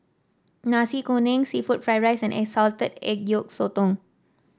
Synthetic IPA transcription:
nãsikonẽŋsifut̚fɹajɹajsɛ̃nʔɛ̰ksɔlt̪ədɛ̰k̚juk̚sot̪ɔ̃ŋ

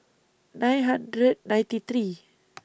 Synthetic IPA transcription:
dajɦanɾet̪̚dajt̪it̪ɾiː

